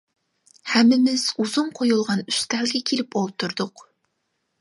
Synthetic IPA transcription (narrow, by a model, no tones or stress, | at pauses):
hɛmːɪmɪz̥uzuŋqʰojulˠʁɑnyst̪ʰælɡʲɛkʲʰelɪpolˠt̪ʰuɾd̪ʊq